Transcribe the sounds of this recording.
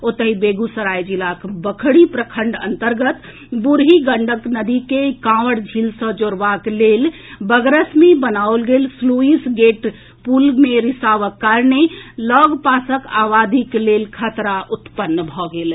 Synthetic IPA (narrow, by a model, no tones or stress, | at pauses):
ot̪əɦibeɡusəɾajd͡ʒilakbəkʰɽipɾəkʰəɳɖə̰nt̪əɾɡət̪ | buɾɦiɡəɳɖʱəknəd̪ikekãʋəɽd͡ʒʱilsə̃d͡ʒoɾʋaklelbəɡɾəsmebənaolɡelsluisɡeʈ | pulmeɾisaʋəkːaɾnelɔɡpasəkaʋad̪iklelkʰət̪ɾaʔut̪pənːbʱɔɡel